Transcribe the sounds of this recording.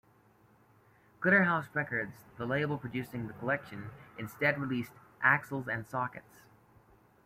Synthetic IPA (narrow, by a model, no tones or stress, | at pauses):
ɡ̥lɪɾə˞ɦaʊsɹɛkə˞dzðəleɪbl̩ˠpʰɹ̥ɨdʉsɪ̃ŋðɨkʰəlɛkʃɨ̃nɨ̃nstɛd̚ɹilistʔæksl̩ˠzɨ̃nsɑkɨ̰ts